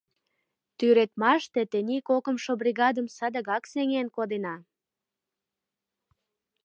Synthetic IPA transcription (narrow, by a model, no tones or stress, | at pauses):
t̪yɾet̪mɑʃt̪et̪enikokəmʃobriɣɑd̪əmsəd̪ə̆ɣɑkseŋenkod̪enɑ